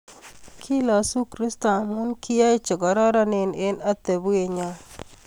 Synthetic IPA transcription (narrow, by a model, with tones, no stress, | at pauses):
kʰi˦lɔ˨su˦kɾɪ˦st̪a˨mu˦nkʰi˦ja˦ɪ˦t͡ʃɔ˨ɡɔ˨ɾɔ˦ɾɔ˦nɪ˦nɪ˦na˦t̪e˨bu˦e˨ɲa˦